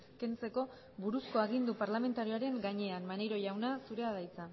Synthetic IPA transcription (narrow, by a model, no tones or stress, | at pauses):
ke̞nt͡se̞ko̞ | βuɾusko̞aɣ̞ind̪upaɾlame̞nt̪aɾioaɾe̞ŋɡaɲe̞anmane̞jɾo̞ʝawnasuɾe̞aðajt͡sa